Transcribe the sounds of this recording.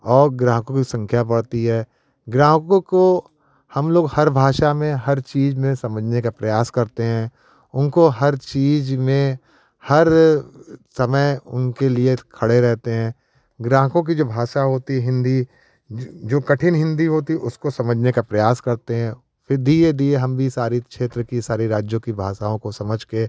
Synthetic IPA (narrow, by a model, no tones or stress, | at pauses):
ɔːɾɡɾãːɦkõkisɐ̃ŋkʰjap̬ɐɽt̪iɦɛː | ɡɾãːɦkõko | hɐmloːɡhɐɾbʱaːʃamẽɦɐɾt͡ʃiːzmẽsɐməd͡ʒʱnekapɾɐjaːskɐɾt̪eɦɛ̃ː | ʊnkoɦɐɾt͡ʃiːzmẽ | hɐɾ | sɐməjʊ̰nkeliekʰɐɽeɾɛɦt̪eɦɛ̃ː | ɡɾãːɦkõk̬id͡ʒoːbʱaːʃaɦoːt̪iɦɪ̃nd̪i | d͡ʒoːkɐʈʰɪnɦɪ̃nd̪iɦoːt̪iʔʊskosɐməd͡ʒʱnekapɾɐjaːskɐɾt̪eɦɛ̃ː | fʰɪɾd̪ied̪ieɦɐmbʱisaːɾikʃeːt̪ɾəkisaːɾiɾaːd͡ʒjõkibʱaːʃaːõkosɐməd͡ʒʱke